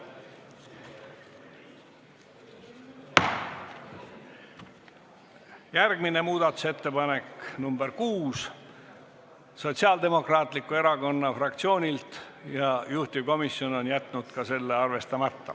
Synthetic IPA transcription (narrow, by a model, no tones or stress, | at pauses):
jærɡ̥mine̞muːd̪̥ɑt̪ːˑu̥se̞t̪ːe̞pɑne̞knumbeɾkuːs | so̞t̪siɑld̪e̞mo̞krɑːt̪ˑlikːˑue̞ɾɑko̞nːɑfrɑk̚t̪sio̞ːnʲilt̪ | jɑjuht̪ʲivko̞misjo̞no̞njæt̪ˑnud̪̥kɑse̞lːeɑrve̞st̪ɑmɑt̪ːɑ̰